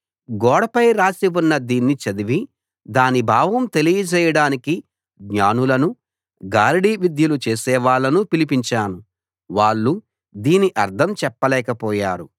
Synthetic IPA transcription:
ɡɔːɽɐpɐjɾaːsiʋunːɐd̪iːnːit͡ʃɐd̪iʋi | d̪aːnibʱaːʋɐmt̪e̞lijɐd͡ʒɛːjɐɽaːniki | ɡɲaːnulɐnu | ɡaːɾiɽiːʋid̪jɐlut͡ʃeːsɛːʋaːɭːɐnupilipiɲt͡ʃaːnu | ʋaːɭːu | d̪iːniʔɐɾd̪ʰʱɐmt͡ʃɛpːɐlɛːkɐpɔːjaːɾu

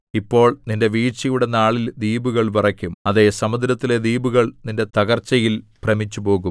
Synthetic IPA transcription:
ipːo̞ːɭninde̞ʋiːt͡ɕɐjuɽenːaːɭild̪iːbuɣɐɭpɐrɐkʲːumɐðe̞sɐmɐd̪ɾɐt̪ːile̞d̪iːbuɣɐɭninde̞t̪ɐɣɐrt͡ɕːɐjilprɐmit͡ɕːupo̞ːɣum

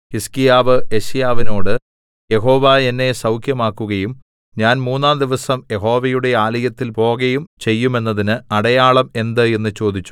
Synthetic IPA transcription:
hiskijaːʋɨeɕjaːʋino̞ːɽɨ | je̞ɦo̞ːʋae̞nːe̞sɐwkʰjɐmaːkːuɣɐjum | ɲaːnmuːnːaːmd̪iʋɐsɐmje̞ɦo̞ːʋɐjuɽe̞aːlɐjɐt̪ːilpo̞ːɣɐjumt͡ɕe̞jːume̞nːɐðinɨɐɽɐjaːɭɐme̞nd̪ɨe̞nːɨt͡ɕo̞ːd̪it͡ɕːu̥

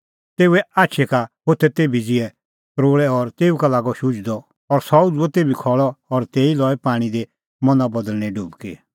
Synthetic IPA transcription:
t̪eːuɛaːtːʃʰɛkaɦot̪ʰɛt̪eːbid͡zɪɛ | kɾoːɭɛɔɾt̪eːukalaːɡɔʃʊd͡ʒd̪ɔ | ɔɾsɔd͡zuɛt̪eːbikʰɔɭɔɔɾt̪eːilɔːɛpaːɽ̃id̪e | mɔ̃nabɐd̪əlñɛɖuːbkḛ

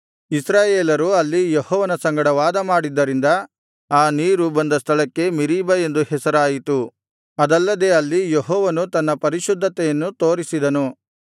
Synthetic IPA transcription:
isɾaːjeːlɐɾuɐlːijehɔːʋɐnɐsɐŋɡɐɽɐʋaːd̪ɐmaːɽid̪ːɐɾind̪ɐ | aːniːɾubɐnd̪ɐst̪ʰɐɭɐkːe̞miɾiːbɐe̞nd̪uhɛsɐɾaːjit̪u | ɐd̪ɐlːɐd̪eːɐlːijeɦɔːʋɐnut̪ɐnːɐpɐɾiʃud̪ʱːɐt̪ɛjɐnːut̪o̞ːɾisid̪ɐnu

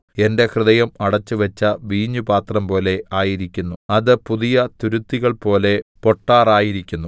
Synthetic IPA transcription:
e̞nde̞hrɨðɐjɐmɐɽɐt͡ɕːuʋɐt͡ɕːɐʋiːɲːubaːt̪rɐmpo̞ːle̞ʔaːjiɾikʲːunːuɐðɨpuðijɐt̪uɾut̪ːiɣɐɭpo̞ːle̞po̞ʈːaːraːjiɾikʲːunːu

